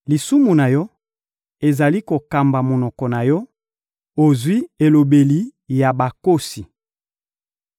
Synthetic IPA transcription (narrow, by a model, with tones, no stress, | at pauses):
li˨su˦mu˨na˨jɔ˦ | e˨za˨li˦ko˨ka˨mba˨mo˨nɔ˨kɔ˨na˨jɔ˦ | o˨zwi˦e˨lo˨be˨li˨ja˨ba˨ko˦si˨